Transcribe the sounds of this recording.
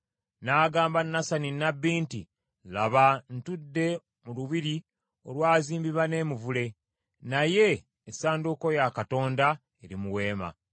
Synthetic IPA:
naːɡaːmbanːasaninːabːiːntḭ | laβantudːe̞ | muluβiɾi | o̞lwaːziːmbiβane̞ːmuvule̞ | naje̞ː | saːnduko̞jakato̞ːnda | eɾimuwe̞ːma̰

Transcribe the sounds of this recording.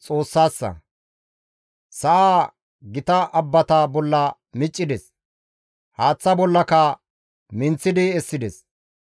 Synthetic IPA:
t͡sʼo̞ːsːaːsːɐ̰ | sɐʔaː | ɡɪt̪ɐʔɐbːɐt̪abɔlːɐ | mɪt͡ʃʼːɪd̪ɛs | haːt͡sːɐbɔlːɐkɐ | mɪnt͡sːɪd̪ɪɛsːɪd̪ɛs

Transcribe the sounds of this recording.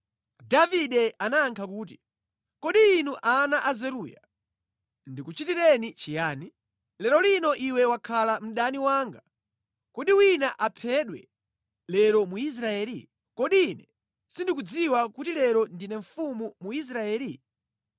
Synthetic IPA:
daviɗɛanaŋkʰakuːt̬i | kɔɗiːnuʔanaʔazɛɾuːja̰ | ndikut͡ʃitiɾɛnit͡ʃijaːni | lɛɾɔlinɔʔiwɛwakʰalam̩ɗaniwaːŋɡa | kɔɗiwinaʔapʰɛɗwɛ̰ | lɛɾɔmuis̬ɾaɛːɾi | kɔɗiːnɛ | sindikud͡ziwakutilɛɾɔndinɛɱ̩fumumuis̬ɾaɛːli

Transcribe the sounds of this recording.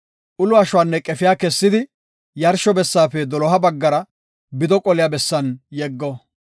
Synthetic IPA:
ʔʊlʊɐʃʊwaːnːɛkʼɛfɪjaːkɛsːɪd̪ɪ | jɐɾʃɔbɛsːaːpɛd̪ɔlɔɦɐbɐɡːɐɾɐ | bɪd̪ɔkʼɔlɪjabɛsːɐnjɛɡːɔ

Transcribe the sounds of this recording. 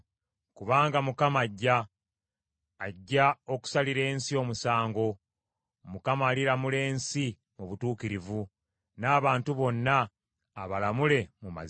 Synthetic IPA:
kuβaːŋɡamukamaɟːa | ɟːao̞ku̥saliɾe̞ːnsio̞ːmusaːŋɡo̞ | mukamaːlilamule̞ːnsi | muβutuːkiɾivu | naːβaːntuβo̞nːaː | βalamule̞muma̰z

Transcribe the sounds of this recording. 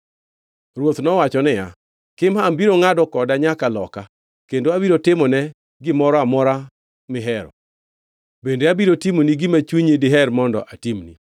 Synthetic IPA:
rwot̪nɔwat͡ʃɔnɪja | kɪmaːmbiɾoŋadɔkɔdaɲakalɔka | kendoabiɾotɪmɔnɛ | ɡɪmɔɾɔamɔɾa | mɪɦɛɾɔ̰ | bendeabiɾotimoniɡɪmat͡ʃwuɲedɪɦɛrmɔndɔ̰ʔatimnḭ

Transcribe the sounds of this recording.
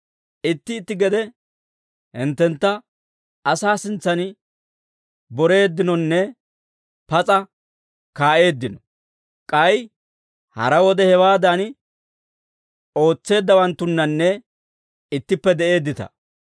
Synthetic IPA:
ʔɪt̪ːɪːt̪ːɪɡɛd̪ɛ | hɪnt̪ːɛnt̪ːɐ | ɐsaːsɪnt͡sːɐnɪ | bɔɾe̞ːd̪ːɪnɔnːɛ | pɐt͡sʼɐ | kaːʔe̞ːd̪ːɪnɔ | kʼɐj | hɐ̰ɾɐwɔd̪ɛhɛwaːd̪an | o̞ːt͡sːe̞ːd̪ːɐwɐnt̪ːʊnːɐnːɛ | ɪt̪ːɪpːɛd̪ɛʔe̞ːd̪ːɪt̪ɐ̰

